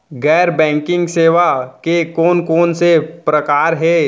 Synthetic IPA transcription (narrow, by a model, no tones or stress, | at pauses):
ɡɛːɾbɛ̃ːŋkɪ̃ŋɡseːʋakekoːnkoːnsepɾəkaːɾɦɛ